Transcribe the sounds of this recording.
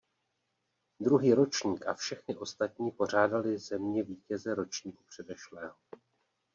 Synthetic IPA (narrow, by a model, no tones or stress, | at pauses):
d̪ɾuɦiːɾo̞t͡ʃɲiːkʔa̰fʃɛxnɪʔo̞st̪at̪̚ɲiːpo̞r̝aːdalɪzɛmɲɛviːcɛzɛɾo̞t͡ʃɲiːkupr̝̥ɛdɛʃlɛːɦo